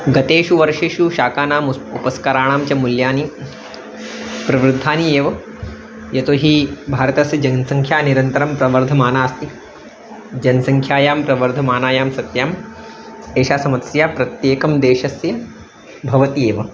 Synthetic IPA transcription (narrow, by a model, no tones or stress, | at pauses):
ɡɐt̪eːʃuʋɐɾʂeːʃuʃaːkaːnaːmupɐskɐɾaːɳ̃aːmt͡ʃɐmuljaːni | pɾɐʋɾud̪ʱːaːnieːʋɐ | jɐt̪oːɦibʱaːɾɐt̪ɐsjɐd͡ʒɐnsɐŋkʰjaːniɾɐnt̪ɐɾɐmpɾɐʋɐɾd̪ʱɐmaːnaːst̪i | d͡ʒɐnɐsɐŋkʰjaːjaːmpɾɐʋɐɾd̪ʱɐmaːnaːjaːmsɐt̪jaːm | eːʃaːsɐmɐt̪sjaːpɾɐt̪jeːkɐmd̪eːʃɐsjɐ | bʱɐʋɐt̪ieːʋɐ